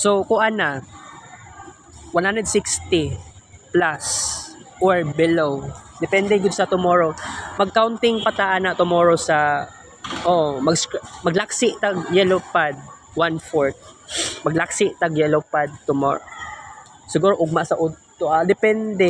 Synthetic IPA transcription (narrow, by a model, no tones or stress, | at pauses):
sokʊʔana | wanhand̪ɛd̪sɪkst̪ɪplasʔoɹbɪlowd̪ɪpɛnd̪ɛɡʊd̪sɐt̪ʊmoɹo̞mɐɡ̚kawnt̪ɪŋpat̪aʔanat̪ʊmoːɾosɐ | ʔoʔmɐɡskmɐɡlaksɪʔt̪aɡjɛlopad̪̚ | wanfoɹt̪̚mɐɡlaksɪʔt̪aɡjɛlopad̪̚t̪ʊmo̰ɹo | sɪɡuːɾoʔʊɡ̚masɐʔʊtt̪oʔad̪ɛpɛnd̪ɛ